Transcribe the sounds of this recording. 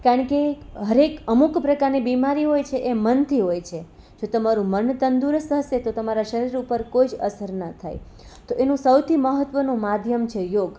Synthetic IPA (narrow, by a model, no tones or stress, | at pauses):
kaɾəɳkeɦəɾekəmukpɾəkaɾnibimaɾiɦojt͡ʃʰeʔemənt̪ʰiɦojt͡ʃʰe | d͡ʒot̪əmaɾũmənt̪ənd̪uɾsəɦəset̪ot̪əmaɾaʃəɾiɾupəɾkoid͡ʒəsəɾnət̪ʰa̰j | t̪oʔenũsəwt̪ʰiməɦət̪ʋənũmad̪ʱjəmt͡ʃʰejoɡ